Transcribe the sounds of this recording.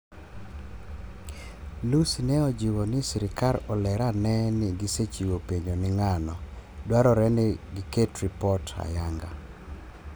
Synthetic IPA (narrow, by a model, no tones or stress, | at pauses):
lusinɛɔd͡ʒiwɔnɪsiɾɪkaɾɔlɛɾanɛnɪɡiset͡ʃiwopeɲonɪŋanɔdwaɾɔɾɛnɪɡɪketɾipɔtʰa̰jaŋɡa̰